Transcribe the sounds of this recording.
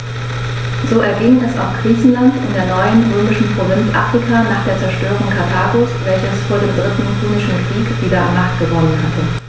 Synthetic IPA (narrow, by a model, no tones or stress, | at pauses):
zoːʔɛɐɡɪŋɛsa̰ʊxɡ̥ʁ̥iːçn̩lantɪndeːɐnɔʏənʊmɪʃn̩pʁ̥ovɪnt͡sʔa̰ːfʁ̥ikʰanaːχd̥eːɐt͡sɛɐʃtøːʁ̞ʊŋkʰatʰaːɡosvɛlçəsfoːɐdeːmdʁɪtn̩pʰuːnɪʃn̩kʁ̥iːkv̥iːdɐa̰nmaχt̚ɡ̥əvɔnənɦatə